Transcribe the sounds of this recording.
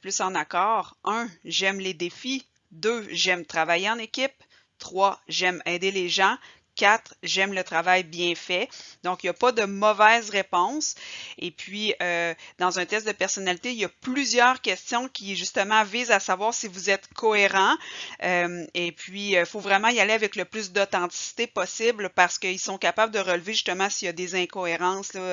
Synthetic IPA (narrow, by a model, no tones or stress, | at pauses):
plysɑ̃nakɑːʁœ̃ʒɛmled̪efi | d̪øʒɛmt̪χavajeɑ̃nekʲɪp̚ | t̪χwaʒɛmɛːd̪eleʒɑ̃ | kʲat̪χʒɛmlət̪χavajbjɛ̃fɛd̪ɔ̃kjapʌd̪əmɔvɛzʁepɔ̃sepʰɥiød̪ɑ̃zœ̃t̪ɛst̪̚d̪əpɛʁsɔnalit̪ejaplyzjœːʁkʲɛst̪jɔ̃kʲʰiʒyst̪əmɑ̃viːzasavwaːʁsivuzɛt̪kʰɔeʁɑ̃ømepʰɥiøfovʁɛmɑ̃ialeavɛkləplys̬d̪ɔt̪ɑ̃t̪i̥si̥t̪epɔsɪblpaʁsə̥kəilsɔ̃kapabləd̪əʁəlvɪʒy̥st̪əmɑ̃sijad̪ezɛ̃kɔeʁɑ̃slɔ